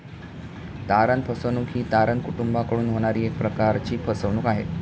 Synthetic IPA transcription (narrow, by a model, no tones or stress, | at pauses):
t̪aɾənpʰəsəʋnuːkɦiːt̪aɾənkuʈumbakəɽuːnɦoɽ̃aɾiːek̚pɾəkaɾt͡ɕiːpʰəsəʋnuːkaɦḛ